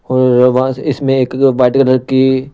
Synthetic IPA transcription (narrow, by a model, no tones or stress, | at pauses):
ɔːɾʋɦãɪsmẽeːkʋaːɪʈkələɾki